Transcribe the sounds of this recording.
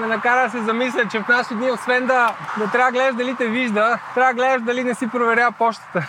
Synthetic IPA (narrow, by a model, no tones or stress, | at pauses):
nɛnɐkaɾɐd̪ɐsɛzɐmis̬lʲət͡ʃɛfnaʃid̪niosvɛnd̪ɐd̪ɐt̪ɾʲaəɡlɛd̪ɐʒd̪ɐlit̪ɛviʒd̪ət̪ɾʲavəɡlɛd̪ʒd̪ɐlinɛsipɾovɛɾʲapɔʃt̪ə̥t̪ə